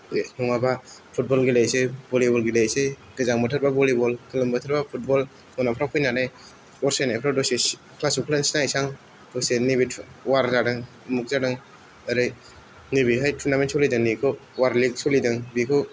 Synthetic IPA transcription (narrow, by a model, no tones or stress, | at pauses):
nɔŋabapʰut̚bɔlɡilejsebɔlibɔlɡilejseɡɯzaŋbɯtʰɯɾbabɔlibɔlkʰɯlɯmbətʰɯɾbapʰut̚bɔl | ɔnapʰɾawkʰɔjnanaj | ɔɾsajnajpʰɾawdɔse | kʰlasukʰlansnajsaŋ | d̥ɔsenibiwaɾzadɯŋ | muk̚zadɯŋ | aɾɯj | nibiɦajtʰunamensʰɔlidɯŋnikʰɔwaɾlik̚sɔlidɯŋbikʰɔ